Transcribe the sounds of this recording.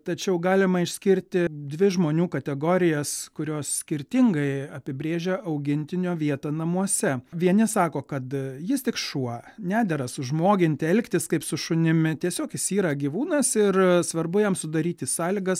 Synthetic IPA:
t̪ɐt͡ʃʲɛʊɡɑːlʲɪmɐɪʃʲsʲkʲɪɾʲt̪ʲɪd̪ʲʋʲɪʒmoːnʲuːkɐt̪ʲɛɡoːɾʲɪjɛskʊɾʲoːssʲkʲɪɾʲt̪ʲɪŋɡɐɪɐpʲɪbʲɾʲeːʒʲɛʔɐʊɡʲɪnʲt̪ʲɪnʲoːʋʲiɛt̪ɐnɐmuɔsʲɛʋʲiɛnʲɪsɑːkoːkɐt̪jɪst̪ʲɪkʃuɔnʲæːd̪ʲɛɾɐsʊʒmoːɡʲɪnʲt̪ʲɪɛlʲkt̪ʲɪskɐɪpsʊʃʊnʲɪmʲɪt̪ʲiɛsʲoːkjɪsiːɾɐɡʲiʋuːnɐsɪrsʋɐrbʊjɛmsʊd̪ɐɾʲiːt̪ʲɪsɑːlʲɪɡɐs

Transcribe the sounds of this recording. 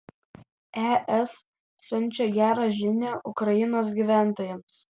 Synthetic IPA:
ɛʔɛsː | ʊnʲˑt͡ʃʲɛɡʲæːɾɑːʒʲɪnʲæːʔʊkɾɐjɪnoːsɡʲiːˑʋʲæˑnˑt̪oːjɛms

